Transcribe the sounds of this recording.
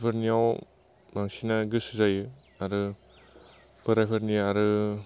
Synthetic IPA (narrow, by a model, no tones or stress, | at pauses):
pʰɐɾniaw | maŋsinaɡɯsɯzajɯ | aɾɯ | bɯɾajpʰaɾniaɾɯ